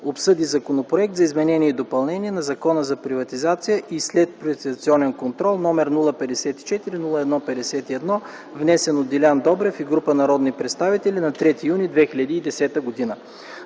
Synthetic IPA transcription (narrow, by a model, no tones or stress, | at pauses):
opsɤd̪izɐkonopɾoɛk̚t̪zɐizmɛnɛniɛid̪opɐlˠnɛniɛnɐzɐkɔnəzɐpɾivɐt̪izat̪sijəʔislɛt̪̚pɾivɐt̪izɐt̪siɔnɛnkont̪ɾɔlˠnɔmɛɾnulˠəpɛd̪ɛsɛt̪i̥t͡ʃɛt̪iɾinulˠəɛd̪nɔpɛd̪ɛsɛt̪iɛd̪nɔ | vnɛsɛnod̪ilʲand̪ɔbɾɛfiɡɾupənɐɾɔd̪nipɾɛt̪st̪avit̪ɛlʲinɐt̪ɾɛt̪ijunʲid̪vɛxilʲəd̪iːd̪ɛsɛt̪əɡod̪inə